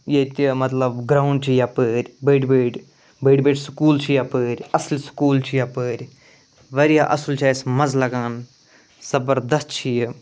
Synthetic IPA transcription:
jet̪ʲimɐt̪lɐbɡɾaːwɳɖt͡ʃʰijapəːɾʲbəːʈbəːʈʲ | bəːʈbeːʈskuːlt͡ʃʰijapəːɾʲɐslskuːlt͡ʃʰijaːpəːɾʲ | ʋɐɾijaːʔɐslt͡ʃʰaːjsmɐzlɐɡaːn | z̥ɐbəɾd̪ɐst̪̚t͡ʃʰiji

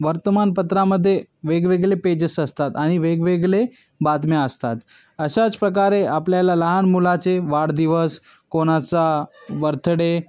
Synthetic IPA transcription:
ʋəɾt̪əmanpət̪ɾaməd̪ʱːjeʋeɡʋeɡɭeped͡ʑəsəst̪at̪aɽ̃iʋeɡʋeɡɭe | bat̪mjaəst̪at̪ | əɕat͡spɾək̬aɾeʔapljalaləɦanmulat͡seʋaɽd̪iʋəs | koɽ̃at͡saʋəɾt̪ʰəɽe

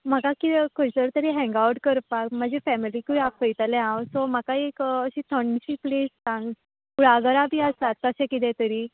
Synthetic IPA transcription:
m̤akakikojsəɾt̪əɾiɦɛ̃ŋɡawʈkəɾpakm̤ad͡ʑefɛmilikuɽapəjt̪əlẽãwsɔm̤akaekəɕiːt̪ʰəɳɕiːplessãŋɡ | kuɽ̤aɡəɾabʱiːəst̪at̪ːəɕɛ̃kit̪̬ɛ̃t̪əɾiː

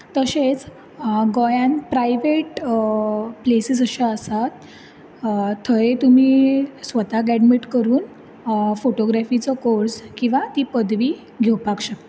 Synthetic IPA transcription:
t̪əɕet͡s | ɡɔjãnpɾajʋeʈ | plesisəɕaəsat̪ | t̪ʰːəet̪umiːsʋət̪aɡɛɽmiʈkəɾuːn | foʈoɡɾafit͡sɔkoɾskĩw̃ʋat̪iːpəd̪ʋiː | ɡʱewpakɕa

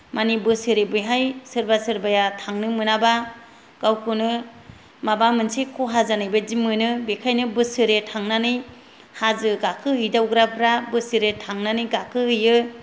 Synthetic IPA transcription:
manibɯsɯɾebɯjɦajsɯɾbasɯɾbajatʰaŋnɯmɯnaba | ɡ̥awkʰɯnɯ | mabamɯnsekʰɔɦazanajbad͡ʒimːɯnɯbekʰajnɯbɯsɯɾetʰaŋnanɯj | hazɯɡakʰɯɦɯjdawɡɾapʰɾabɯsɯɾetʰaŋnanɯjɡakʰɯhɯjɯ

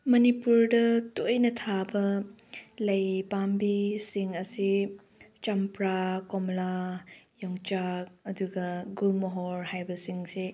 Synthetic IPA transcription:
mɐnipuɾdɐtojnɐtʰabɐ | lɐjpambisiŋɐsi | t͡ʃampɾakɔmlajɔŋt͡ʃak̚ɐduɡɐɡuŋɔɦɔɾhajbɐsiŋse

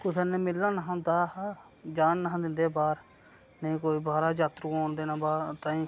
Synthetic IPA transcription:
kʊseːneːmɪlːaːnəɦãd̪aː | d͡ʒaːnːəɦãːd̪ɪnd̪eːbaːɾ | nəĩːkoːiːbaːɾaːd͡ʒaːt̪ɾuːoːnd̪eːnãːbaːt̪ãːĩː

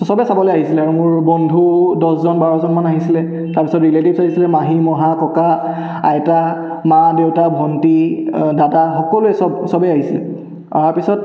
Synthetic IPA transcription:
sɔbɛsabɔlejaɦisilɛaɹumʊɹbɔndʱudɔszɔnbaɹɔzɔnmanaɦisilɛ | taɹpisɔtɹiletibsaɦisilɛmaɦimɔɦakɔka | a̰jta | madewtabʱɔntidadaxɔkɔluɛsɔbsɔbɛaɦisilɛ̰ | a̰apisɔt̚

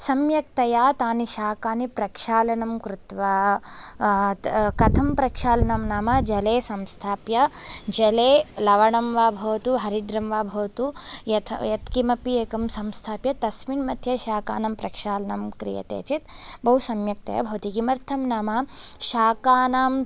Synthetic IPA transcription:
sɐmjɐk̚t̪ɐjaːt̪aːniʃaːkaːnipɾɐkʃaːlɐnɐmkɾut̪ʋɐ | kɐt̪ʰɐmpɾɐkʂaːlɐnɐmnaːmɐd͡ʒɐleːsɐmst̪ʰaːpjɐd͡ʒɐleːlɐʋɐɳɐmʋaːbʱɐʋɐt̪uɦɐɾid̪ɾɐmʋaːbʱɐːt̪ujɐt̪ʰjɐt̪kimɐpieːkɐmsɐmst̪ʰaːpjɐt̪ɐsminmɐt̪ʰjɐʃaːka̰ːnɐmpɾɐkʂaːlɐnɐmkɾḭjɐ̰t̪ḛːt͡ʃit̪̚bɐɦusɐmjɐk̚t̪ɐ̰jɐ̰bʱɐwɐt̪ikimɐɾt̪ʰɐmnaːmɐʃaːkaːnaːm

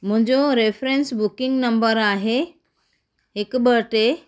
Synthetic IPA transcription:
m̤ə̃ɲd͡zoɾefɾensbukiŋɡnəmbəɾaɦe | kbəɾʈe

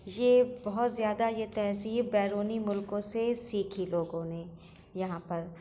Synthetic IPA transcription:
jebɐɦʊt̪zjaːd̪ajet̪ɛɦsiːɾbɛːɾoːnimʊlkõsesiːkʰiloːɡõne | jɐɦãpɐɾ

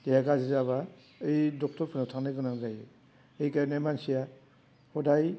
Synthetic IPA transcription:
dejaɡazizaβa | ɯjdɔk̚tɔɾpʰɯnatʰaŋnɯɡɯnaŋzajɯ | ejkanemansija | hɔdaj

